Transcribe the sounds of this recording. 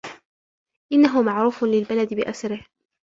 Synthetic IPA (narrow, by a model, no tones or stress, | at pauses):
ʔɪnːaɦʊmaʕɾuːfʊlɪlbalad̪ɪbɪʔasaɾɪh